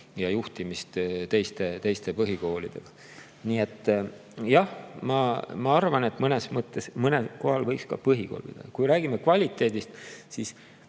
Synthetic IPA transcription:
jɑjuht̪imist̪t̪e̞jst̪e̞t̪ejst̪e̞pɤɦiko̞ːlḭd̪̥e̞̰ɡ̥ɑ | niːe̞t̪ːˑjɑhmɑmɑɑrvɑne̞t̪ːˑmɤne̞smɤt̪ˑːesmɤneko̞ɦɑlvɤjkskɑ̰pɤɦiko̰ːlpḭd̪ɑ̰̥ɑkujɾæːɡ̥imekvɑlʲit̪ːˑe̞ːd̪ist̪sis

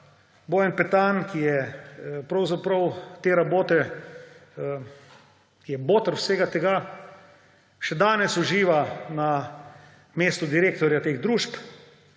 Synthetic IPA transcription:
boːjənpɛt̪ankijɛpɾɐwzapɾɐwt̪eːɾaboːt̪ɛ | kijɛboːt̪əɾwseːɡat̪ɛɡa | ʃɛd̪aːnɛsuʒiːʋana | meːst̪ʊd̪iɾeːk̚t̪ɔɾjat̪eːɣd̪ɾuːʃp

